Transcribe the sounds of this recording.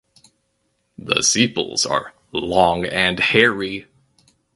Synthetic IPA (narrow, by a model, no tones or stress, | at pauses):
ðə̰sipl̩ˠz̥ə̰˞ | lɔ̃ŋɨ̃nhɛɹi